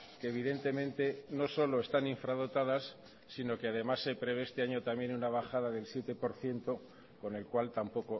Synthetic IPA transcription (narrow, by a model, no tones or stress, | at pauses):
keːβ̞iðe̞nt̪e̞mẽ̞nt̪e̞no̞so̞lo̞e̞st̪aniɱfɾað̞o̞t̪að̞asː | ino̞keaðe̞masːe̞pɾe̞βe̞est̪e̞aɲo̞t̪amje̞nunaβ̞axaðaðe̞lsje̞t̪e̞po̞ɾθje̞nt̪o̞ | ko̞ne̞lkwalt̪ampo̞ko̞